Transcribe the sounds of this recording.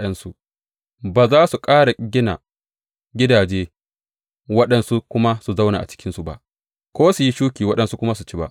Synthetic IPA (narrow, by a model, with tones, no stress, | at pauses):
jɐ˦nsu˨ʔ | baː˨zaː˦su˨kʼaː˦ɽa˨ɡʲɪ˦na̰˨ | ɡʲɪ˦daː˨d͡ʒeː˦ | wɐ˦ɗɐ˨nsu˦kʷʊ˦ma˦su˨za˦wna̰˨ʔa̰˨t͡ʃɪ̥˦kʲɪ˦nsu˨ba̰˦ʔ | kʷoː˦su˨ji˦ʃuː˦kʲiː˨wɐ˦ɗɐ˨nsu˦kʷʊ˦ma˦su˨t͡ʃiː˦ba̰˦ʔ